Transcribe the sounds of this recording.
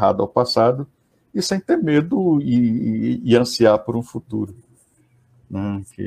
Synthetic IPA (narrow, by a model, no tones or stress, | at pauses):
ɦa̰d̪ʊa̰wpasad̪ʊ | ɪsẽj̃t̪eɾmed̪ʊɪɪɐ̃siaɾpoɾũfut̪uɾʊ | ũkʰḛ